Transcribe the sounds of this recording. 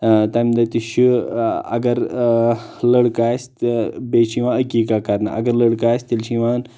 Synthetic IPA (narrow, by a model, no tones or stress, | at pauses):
t̪ɐmd̪ɐt̪iʃuɐ̰ɡɐɾ | ləɽkaːst̪bet͡ʃʰiʋãːəkʲikakɐɾna̰ʔɐɡɐɾləɽkaːst̪ilt͡ʃʰiʋaːn